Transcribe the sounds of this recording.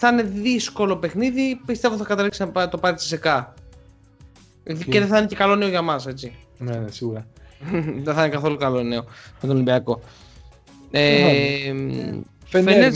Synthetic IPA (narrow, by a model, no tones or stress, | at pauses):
θne̞ðisko̞lo̞pe̞xniðipist̪e̞voθɐkɐt̪eliksinɐt̪opɐɾisi̥sekɐ | iðiceðeθnecekɐlo̞ne̞o̞ʝɐmɐse̞t͡sinnesiɣuɾɐ | ðeθnekɐθo̞lukɐlo̞ne̞o̞mɐt̪onolimbiɐko̞ | e | f